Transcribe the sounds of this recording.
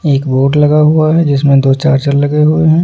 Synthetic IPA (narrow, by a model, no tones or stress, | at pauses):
eːkboːʈlɐɡaɦuaɦɛd͡ʒɪsmẽd̪oːt͡ʃaːɾt͡ʃəɾlɐɡeɦueɦɛ̃ː